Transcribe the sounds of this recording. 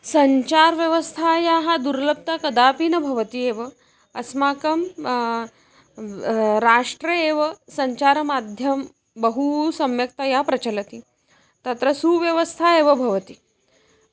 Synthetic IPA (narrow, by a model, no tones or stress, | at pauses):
sɐɲt͡ɕaɾʋjɐʋəst̪ʰajaɦad̪uɾlɐb̚t̪akɐd̪aːpiːnɐbʱɐʋət̪ieʋə | ɐsmaːkɐm | ɾaːʂʈɾɐeʋɐsɐɲt͡ɕaɾɐmad̪ʱjɐm | bəɦusɐmjɐk̚t̪ajapɾɐt͡ɕɐlɐt̪i | t̪at̪ɾɐsuʋjɐʋəst̪ʰaeʋɐbʱɐʋət̪iː